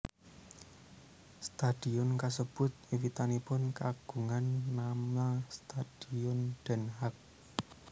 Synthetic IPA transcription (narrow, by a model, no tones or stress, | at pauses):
st̪ad̥iɔnkas̬əb̥ʊ̤t̪̚iwit̪anipʊnkaɡ̥ṳŋanːamast̪ad̥iɔnɖ̪̥ɛ̤nɦak̚